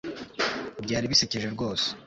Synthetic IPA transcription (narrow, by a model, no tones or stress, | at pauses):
bɟaːɾiβiseceʒeɾɡo̞ːse̥